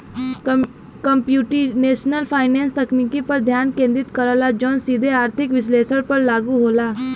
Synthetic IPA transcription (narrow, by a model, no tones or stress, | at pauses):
kəmpjuːʈineːʃnəlpʰaːɪnẽːnst̪ɐkniːkipɐɾd̪ʱjaːnkẽːnd̪ɾɪt̪kəɾəlad͡ʒɔːnsiːd̪ʱeaːɾt̪ʰɪkʋɪsleːsəɽpɐɾlaːɡuɦoːlaː